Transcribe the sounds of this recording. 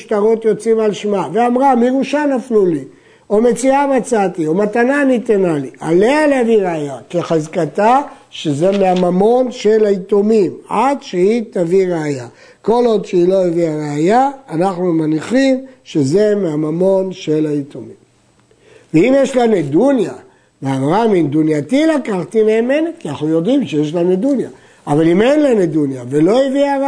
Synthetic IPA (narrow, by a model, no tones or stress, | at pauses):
ʃt̪aʁo̞t̪jo̞t͡simalʃmaveamʁamiʁuʃanafluli | o̞me̞t͡siamat͡sat̪io̞mat̪ananit̪enaliʔa̰lealeaviʁeajakeχazkat̪aʃezemeamamo̞nʃe̞laitomimadʃeit̪aviʁeaja | ko̞lod̪ʃeilo̞eviaʁeajaːnaχnumaniχimʃeze̞meamamo̞nʃelait̪omim | veimjeʃlanudunja | veamʁamind̪unjat̪ilakaχt̪imeemenekianaχujo̞d̪imʃejeʃlanud̪unja | avalimenlaned̪unjavelo̞iviaʁ